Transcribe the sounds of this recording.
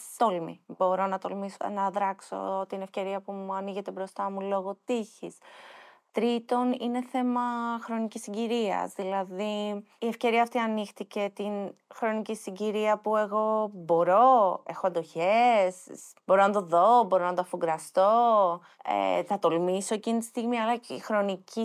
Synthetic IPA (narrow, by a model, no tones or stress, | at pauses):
t̪olmḭbo̞ɾo̞nɐt̪olmiso̰nɐðɾɐkso̞̰t̪inefce̞ɾiɐpumuɐniʝe̞t̪e̞bɾo̞st̪ɐmulo̞ɣo̞t̪içist̪ɾit̪o̞nine̞θe̞mɐxɾo̞nicisiɲɟiɾiɐ̰zðilɐði | ie̞fce̞ɾiɐːft̪iɐnixt̪ice̞t̪inxɾo̞nicisiɲɟiɾiɐpue̞ɣo̞bo̞ɾo̞e̞xoɐnd̪oçess | bo̞ɾo̞nɐt̪o̞ðo̞bo̞ɾo̞nɐt̪oɐfuɡɾɐst̪o̞ | ḛθɐt̪o̞lmiso̞e̞cinit̪ist̪iɣmiɐlɐxɾo̞nici